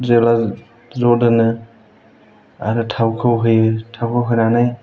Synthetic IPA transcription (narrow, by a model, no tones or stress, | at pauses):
zela | zɔdɯnɯ | a̰ɾɯtʰawkʰɯwɦɯjɯtʰawkʰɯwɦɯjnanaj